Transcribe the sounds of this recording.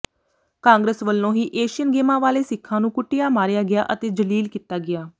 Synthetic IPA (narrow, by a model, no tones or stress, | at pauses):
kãːŋɡɾəsʋəlːõːɦiːʔeːʃɪjənɡeːmãːʋaːleːsɪkʰːãːnũːkʊʈːɪjaːmaːɾjaːɡɪja̰ːʔət̪eːd͡ʒəliːlkiːt̪aːɡɪjaː